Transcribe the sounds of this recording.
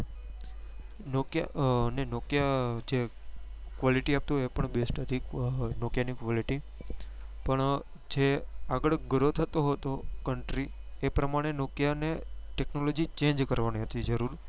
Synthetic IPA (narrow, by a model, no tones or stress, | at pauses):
nokjanenokjad͡ʒe | kʋaliʈiap̚t̪uepəɳbesʈəd̪ʱiknokjanikʋɔliʈi | pəɳ | d͡ʒeaɡəɭɡəɾot̪ʰət̪oɦot̪okəɳʈɾiepɾəmaɽ̃enokjaneʈeknolod͡ʒit͡ʃẽnd͡ʒkəɾʋaniɦət̪id͡ʒəɾuɾ